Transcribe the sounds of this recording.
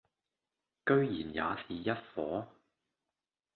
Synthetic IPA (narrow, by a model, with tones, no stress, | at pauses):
kɵ˥ɥjiː˨˩nja̰ː˨˧siː˨jɐ˥t̚fɔː˨˥